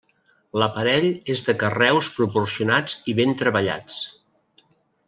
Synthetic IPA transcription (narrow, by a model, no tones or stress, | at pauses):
ləpəɾɛʎezðəkərɛwspɾupursiunad͡ziβent̪ɾəβəʎa̰t͡s